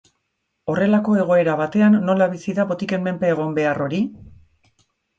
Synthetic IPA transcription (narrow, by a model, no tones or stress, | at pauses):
o̞re̞lako̞e̞ɣ̞o̞e̞ɾaβat̪e̞anːo̞laβisiðapo̞t̪ike̞mmːe̞mpeːɣ̞o̞mbe̞aro̞ɾi